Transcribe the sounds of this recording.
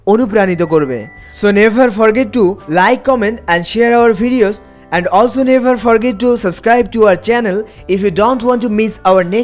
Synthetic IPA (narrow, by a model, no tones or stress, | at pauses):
onup̬ɾanit̪okoɾbḛ | sonevʱəɾfɔɾɡetːulajkːɔmẽɳʈɛ̃nɖʃeəɾaʊɐɾbʱiɖioz | ɛ̃ɳɖɔlsonevʱəɾfɔɾɡet̚ːusəbskɾajb̚ʈuaʊəɾt͡ɕɛnel | ifjudonʈwɔ̃nʈːumisaʊɐɾne